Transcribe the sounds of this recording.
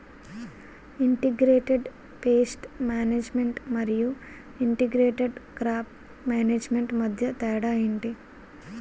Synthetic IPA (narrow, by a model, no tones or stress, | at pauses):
iɳʈiɡɾeːʈeɖ | peːsʈmaːneːd͡ʒmeɳʈmɐɾiju | iɳʈiɡɾeːʈeɖkɾaːp | maːneːd͡ʒmeɳʈmɐd̪ʱjɐt̪ɛːɽaːjeɳʈi